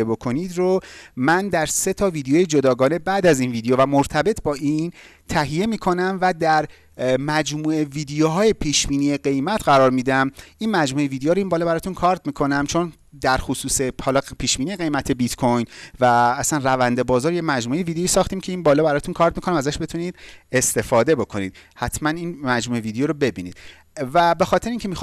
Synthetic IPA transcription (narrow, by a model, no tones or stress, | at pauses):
ebo̞kʰo̞nid̪ɾomænd̪æɾse̞t̪ʰɒːviːd̪ejojed͡ʒo̞d̪ɒːɡɒːne̞bæʔd̪æziːnviːd̪ejovæmoɾt̪ʰæbe̞t̪ʰbɒːʔiːn | t̪ʰæɦije̞miːkʰo̞næmvæd̪æɾ | mæd͡ʒmuːe̞viːd̪ejoɦɒːje̞pʰiːʃbiːniːeɡe̞jmæt̪ʰɢæɾɒːɾmiːd̪æmʔinmæd͡ʒmuːeviːd̪ejoːɾoiːnbɒːlɒːbæɾɒːt̪ʰunkʰɒːɾt̪miːkʰo̞næmt͡ʃʰon | d̪æɾxosuːsehɒːlɒːpʰiːʃbiːnieɣe̞jmæt̪ʰe̞bit̪kʰojnvæːsænrævænd̪e̞bɒːzɒːɾjemæd͡ʒmuːʔeevid̪ejoiːsɒːxt̪iːmcʰe̞iːnbɒːlɒːbæɾɒːt̪ʰunkʰɒːɾt̪̚mikʰo̞næmæzæʃbe̞t̪ʰuniːd̪̥̚e̞st̪e̞fɒːd̪e̞bo̞kʰo̞nḭd̪̥̚hæt̪ʰmæniːnmæd͡ʒmuːeviːd̪ejoɾobe̞bḭːnḭːd̪̥̚ | væbe̞xɒːt̪ʰeɾeiŋcʰe̞mix